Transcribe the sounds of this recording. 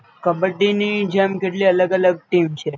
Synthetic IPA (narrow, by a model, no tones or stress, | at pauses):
kəbəʈːinid͡ʒemkeʈliələɡələɡ̚ʈimt͡ʃʰe